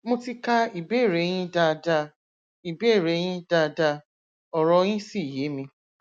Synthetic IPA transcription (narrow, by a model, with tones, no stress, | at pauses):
mũ˦ti˦ka˦i˨be˦˨ɾe˨˦j̃ĩ˦da˧da˧ | i˨be˦˨ɾe˨˦j̃ĩ˦da˧da˧ | ɔ˨ɾɔ˧˦j̃ĩ˦si˦˨je˨˦mĩ˧